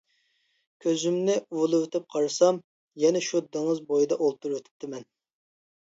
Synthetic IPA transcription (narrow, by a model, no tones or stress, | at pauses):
kʲʰøzymnɪuwlˠɨwøt̪ɪp̚qʰɑɾɨsɑm | jɛnɛʃud̪ɨŋɨzbojid̪ɑʔolˠt̪uɾwøt̪ʰɪ̥p̚t̪ʰɪmɛn